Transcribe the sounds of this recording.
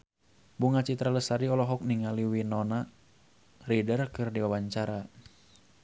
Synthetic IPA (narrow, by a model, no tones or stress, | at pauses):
buŋat͡ʃit̪ɾaləsaɾiɔlɔɦɔk̚niŋaliwinɔna | ridərkɨrdiwawaɲt͡ʃaɾa